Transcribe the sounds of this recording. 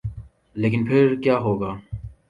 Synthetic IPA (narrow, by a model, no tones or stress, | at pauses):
leːk̬ɪnpʰɪɾkjaːɦoːɡaː